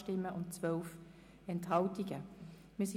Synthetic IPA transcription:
ʃtɪmːəʔʊntt͡svœlf | ɛnthɑltiɡə | miːɐsi

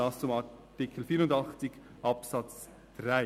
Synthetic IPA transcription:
ɑst͡sʊmɑtɪkʰl̩fiːɾʊndɑχt͡sɪɡ | ʔɑpsɑt͡s | d̥ʁaɪ

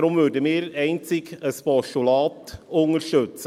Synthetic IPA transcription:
ɾʊmvʏɾdəmɪːɾɛɪnt͡sɪɡəspɔʃtulɑːtʊŋəɾʃtøt͡sə

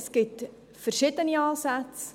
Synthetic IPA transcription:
skit | fərʃitəniɑːsæts

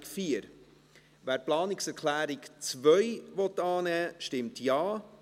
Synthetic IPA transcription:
kfiəɾ | ʋæːɾplɑːnɪksɛɾkʰlæːɾɪkt͡sʋœjʋɔtːɑːnɛːʃtɪmtjɑː

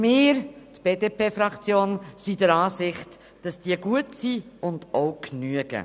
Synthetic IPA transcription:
mɪːɾtb̥eːdepeːfɾɑkt͡sjoːnsidəɾɑːsɪχt | d̥ɑsd̥iəɡuətsiʊnd̥oʊknyəɡ̥ə̰

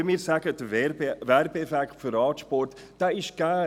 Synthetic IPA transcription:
əmiːɾsæɡ̥əd̥əɛværbəɛfɛkχtfyɾɑːtʃpɔrt | d̥ɛːɪʃɡ̥æː

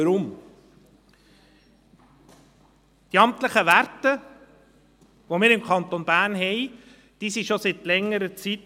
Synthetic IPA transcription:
əɾʊm | d̥iɑmt̪ləχəʋæɾtə | ʋomɪːɾɪmkʰɑnt̪onb̥æːɾnɦɛɪ | d̥iːsiʃosit̪lɛŋːəɾət͡sit

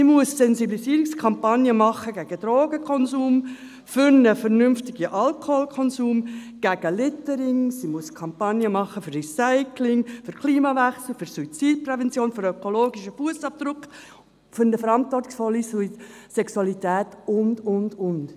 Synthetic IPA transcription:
simuəsːɛnziblisiːɾikskʰɑmpɑnjəmɑχːəɡæɡ̥əd̥̪ɾoːɡəkʰɔnzuːm | fʏɾnəfəɾnʏmftɪɡ̥iʔɑlkʰoholkʰɔnsuːmɡ̥æɡ̥əlɪtəɾɪŋsimuəskʰɑmpɑnjəmɑχːəfʏrisaɪkʰlɪŋfʏɾkʰliːmɑvæχsl̩ˠfʏɾsuit͡siːd̚prɛvɛnt͡sjoːnfʏɾœkoloːɡiʃəfuəsɑp̚d̥ɾʊkχ | fʏɾnəfəɾɑntʋɔrtɪ̥ksfɔlːisisɛksuɑlitɛːtʊndʊndʊnd

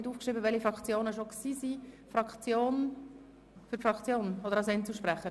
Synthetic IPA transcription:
ɪduːfkʃriːbəvɛlifɾɑkt͡sjoːnəʃoksiːsi | fɾɑkt͡sjoːn | fʏɾfrɑkt͡sjoːnɔdəɾɑsɛnt͡suʃpɾæχə

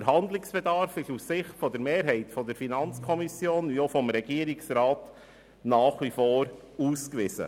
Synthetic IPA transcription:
əɾɦɑnd̪lɪksb̥ɛdɑɾfɪʃussɪχtfɔdɛɾmeːɾɦɛɪtfɔdəɾfinɑnt͡skʰɔmisjoːniofɔmɾɛɡiːɾɪksɾɑːt | nɑːχʋifoːɾ | uːskʋɪzə̰

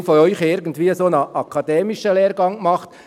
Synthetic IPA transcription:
foœʏxɪɾɡən̩tʋiːəsoːnɑʔɑkʰɑd̥̪ɛːmɪʃəleːɾɡɑŋmɑχt

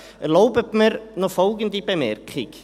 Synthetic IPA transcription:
lowpəpmɪɾnɔfowk̬ənt̪ipemɛɾkʰχḭk

